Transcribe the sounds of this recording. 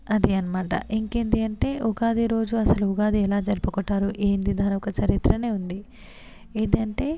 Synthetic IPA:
ɐd̪iɐnɐmaːʈɐ̰ʔiŋkeːnd̪iɐɳʈe̞ːʔuɡaːd̪iɾo̞ːd͡ʒuɐsɐluuɡaːd̪iɛlaːd͡ʒɐɾipukɔʈːaːɾuʔeːnd̪id̪aːnɐɔkɐt͡ʃɐɾit̪ɾɐne̞ːund̪i | eːnd̪iɐɳʈe̞ː

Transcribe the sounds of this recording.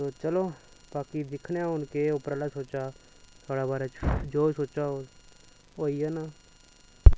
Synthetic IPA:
t̪oːt͡ʃəloː | baːkid̪ɪkʰnaːʊnkeʊpɾəlaːsoːt͡ʃaː | t̪ʰaːɽaːbaːɾeːd͡ʒoːsoːt͡ʃaːo | oːiːɛːnaː

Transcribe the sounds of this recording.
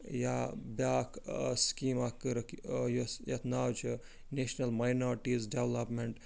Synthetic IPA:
jabaːkʰskiːmakːəɾkjusjɐt̪naːwt͡ʃʰ | neʃnɐlmajnoːɾʈizɖeʋlɐpmeɳʈ

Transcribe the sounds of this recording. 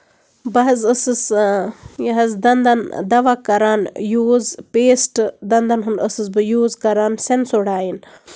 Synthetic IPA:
bɐɦɐzəsɨs | jɐɦɐzd̪ɐnd̪ɐnd̪ɐʋakɐɾaːnjuːzpeːsʈd̪ɐnd̪ɐnɦunɖəsɨzbɨjuːzkɐɾaːnsensoɽaːjin

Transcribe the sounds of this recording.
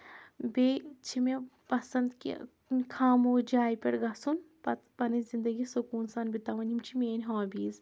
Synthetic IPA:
bet͡ʃʰimepɐsɐnd̪kḭ | kʰaːmoːd͡ʒaːjipʲɐɽɡɐsunpɐt̪pɐnizind̪ɐɡisukuːnsaːnbit̪aːʋɐnimt͡ʃʰimeːnʲɦãːbiːz

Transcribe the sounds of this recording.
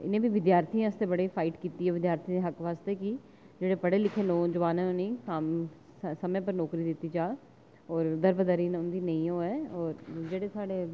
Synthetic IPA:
ɪ̰nẽːbiːʋɪd̪jaːɾt̪ʰiːãːəst̪eːbəɽiːfʰaːiʈkiːt̪iːɛːʋɪd̪jaːɾt̪ʰiːd̪eɦəkʋaːst̪eːkɪ | d͡ʒeːɽeːpəɽeːlɪkʰeːnoːd͡ʒəʋaːnãːnĩːkaːm | səmẽːpəɾnɔːkɾiːd̪ɪt̪ːiːd͡ʒaː | ɔːɾd̪əɾbəd̪əɾiːnʊnd̪iːnəĩːoːɛːɔːɾd͡ʒeːɽeːsaːɖeː

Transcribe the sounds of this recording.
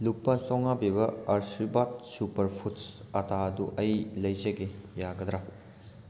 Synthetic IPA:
lupːɐsɔwŋabiβɐɐɾsibat̚supɐɾpʰuts | ɐtʰaɐduʔɐjlɐjzɐɡejaɡɐd̪ɾa

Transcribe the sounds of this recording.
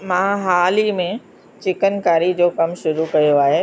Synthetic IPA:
mãːɦaːlimẽ | t͡ɕɪkənkaːɾid͡ʑoːkɐmʃʊɾukɐjoaːɦeː

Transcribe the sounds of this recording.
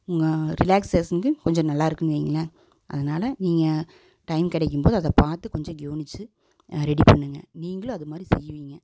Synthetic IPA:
ʊŋɡɐɾɪlaːkseːsɐnkɯkɔɲd͡ʒɔ̃nɐlːaːɪɾɯkːɯnɯʋiːŋɡɐlɐ | ʔɐðɐnaːlɐniːŋɡɐ | ʈɐɪmkɪɽɛkːɯmpoːðɯɐðɐpaːɾt̪ɯkɔɲd͡ʒɔ̃ɡɪoːnɪt͡ʃːɯ | ɾɛɽipɐɳːɯŋɡɐ̰niːŋɡɐɭõɐðɯmaːd̪ɾisɛ̰jːɯʋiːŋɡɐ

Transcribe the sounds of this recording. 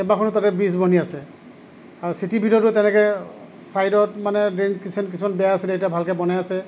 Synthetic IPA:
ɛbakʰɔntatɛbis̬bʱɔniasɛ | aɹusitibʱitɔɹɔtʊtɛnɛkɛ | sajdɔtmanɛdɹenskisʰimankisʰumanbɛjaasiletabʱalkɛbɔnajasɛ

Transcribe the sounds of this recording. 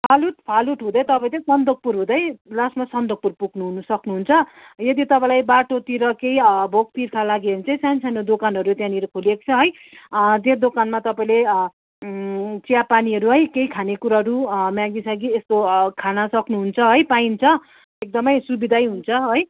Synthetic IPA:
pʰaluʈpʰaluʈɦũd̪ʌjt̪ʌpaj̃tʌ̃sʌnd̪ʱʌɡ̚purɦũd̪ʌjlasmasʌnd̪oɡ̚purpuɡnuɦunʌsʌknuɦunt͡sʰʌ | jʌd̪it̪ʌpãj̃lajbaʈot̪iɾʌkeibʱok̚t̪irkʰalaɡeʌɾint͡sʌj̃sansʰanod̪okanɦʌɾut̪jãniɾʌkʰolekt͡sʰʌɦʌj | d̪erd̪okanmat̪ʌpaĩle | t͡sijapaniɦʌɾuɦʌjkejkʰanekuɾaɦʌɾumjãɡisaɡiest̪okʰanʌsʌknuɦunt͡sʰʌɦʌjpaint͡sʰʌ | ek̚d̪ʌmʌjsubid̪ʱajɦunt͡sʰʌɦʌj

